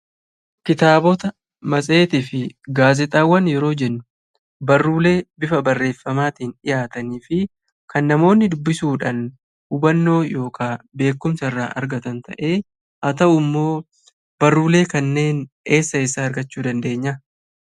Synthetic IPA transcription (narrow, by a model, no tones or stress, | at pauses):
kɪt̪aːbɔt̪ɐ | mɐsʼe̞ːt̪ɪfɪɡaːzɛt̪ʼaːwːɐnjɛɾo̞ːd͡ʒɛnːʊ̥ | bɐrːuːle̞ːbɪfɐbɐrːe̞ːfːɐmaːt̪iːnɪjaːt̪ɐniːfɪ | kɐnːɐmo̞ːnːɪd̪ʊbːɪsuːᶑɐn | hʊbɐnːo̞ːjo̞ːkʰaːbe̞ːkːʊmsɐrːaːʔɐ̰ɾɡɐt̪ɐnt̪ɐ̰ʔe̞ː | ʔɐt̪ɐʔʊmːo̞ː | b̥ɐrːuːle̞ːkɐnːe̞ːn | e̞ːsːɐeːsːɐɐɾɡɐt͡ʃːuːd̪ɐnd̪e̞ːɲːɐ